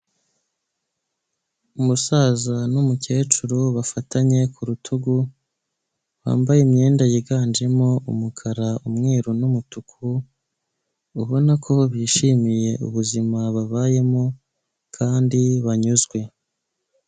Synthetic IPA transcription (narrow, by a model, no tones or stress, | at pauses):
umusaːzanumuce̞ːt͡ʃuɾoβafataɲe̞kʰuɾutʰuɡu | βa̰ːmbajemɲe̞ːndajiɡaːnd͡ʒe̞moʔṵmukʰaɾaumŋe̞ːɾunumutukʰu | uβo̞nakʰo̞βjiːʃimije̞ṵβuzimaβaβaːje̞mo | kʰaːndiβaɲuzɡwe̞